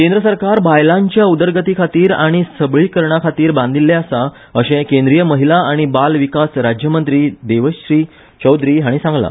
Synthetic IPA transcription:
kend̪ɾəsəɾkaɾbʱajlãɲt͡ɕjaud̪əɾɡət̪ikʰat̪iːɾaɽ̃isəbɭiːkəɾɳakʰat̪iːɾbãnd̪ʱilːɛəsa | əɕẽkẽnd̪ɾijəməɦilaaɽ̃ibalʋikasɾad͡ʑjəmənt̪ɾiːd̪eʋəɕɕɾiː | t͡ɕəwd̪ɾiːɦaɽ̃isãŋɡla̰

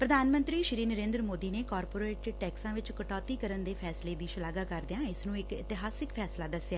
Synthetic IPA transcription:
pɾəd̪ʱaːnmə̃nt̪ɾiːʃɪɾiːnəɾẽːnd̪ɾəmoːd̪iːneːkɔːɾpoːɾeːʈʈɛːksãːʋɪt͡ʃkəʈɔːt̪iːkəɾənd̪eːpʰɛːsleːd̪iːʃəlaːɡaːkəɾd̪ɪjãːɪsnũːɪkɪt̪ɪɦaːsɪkpʰɛːslaːd̪əsjaː

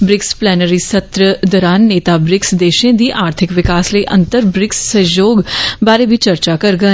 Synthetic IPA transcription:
bɾɪksplɛːnəɾiːsət̪ɾəd̪ɔːɾaːnːeːt̪aːbɾɪksd̪eːʃẽːd̪iːʔaːɾt̪ʰɪkʋɪkaːsləiʔə̰̃nt̪əɾbɾɪksːəjoːɡbaːɾeːbiːt͡ʃəɾt͡ʃaːkəɾɡə

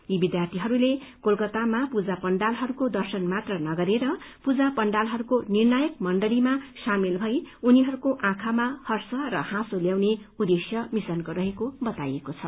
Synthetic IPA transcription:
jibid̪jart̪ʰiɦʌɾulekolkʌt̪amapud͡zapʌɳɖalɦʌɾukod̪ʌrsʌnmat̪rʌnʌɡʌɾeɾʌpud͡zapʌɳɖalɦʌɾukonirnʌjʌkmʌɳɖʌlimasamilbʱʌjuniɦʌɾukoʔãkʰamahʌrsʌrʌhãsoljawne | ud̪esjʌmisʌnkoɾʌɦekobʌt̪a̰jekot͡sʰʌ

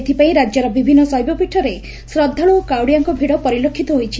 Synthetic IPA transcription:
et̪ʰipaĩɾad͡ʒjɔɾɔbibʱinːɔsɔɦjbɔpiʈʰɔɾe | sɾɔd̪ʱːaɭuːkawɽijaŋkɔbʱiɽɔpɔɾilokʰːit̪ɔɦojt͡ʃʰi

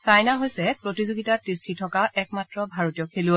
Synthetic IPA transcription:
sajnaɦojsɛpɹotizoɡitatɹistʰitʰɔkaʔɛk̚matɹɔbʱaɹotijɔkʰelu

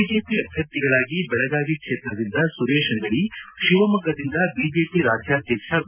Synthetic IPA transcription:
id͡ʒeːpiɐbʱjɐɾt̪iɡɐɭaːɡibɛɭɐɡaːɡikʂeːt̪ɾɐd̪ind̪ɐsuɾeːʂɐnɡ̪ɐɭiʂiʋɐmɐɡɐd̪ind̪ɐbiːd͡ʒeːpiɾaːd͡ʒjaːd̪ʱjɐkʂɐ

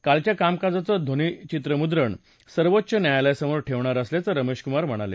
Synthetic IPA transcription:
kalt͡ɕjakamkad͡zat͡sɔd̪ʱonit͡ɕit̪ɾəmud̪ɾəɳ | səɾʋot̪ːɕʰənjajlasəmoɾʈʰeʋɳ̃aɾəsljat͡səɾəmeɕkumaɾm̤əɽ̃alḛ

